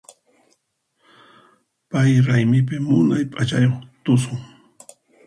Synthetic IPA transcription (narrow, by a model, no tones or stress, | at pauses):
pajɾajmɪp̬ɪmʊnajpʼat͡ʃajoχt̪ʊsʊŋ